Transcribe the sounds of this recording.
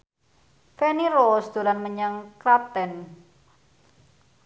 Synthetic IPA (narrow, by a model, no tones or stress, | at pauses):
fɛniɾosd̪̥o̤ɾanməɲəŋkɾat̪ɛn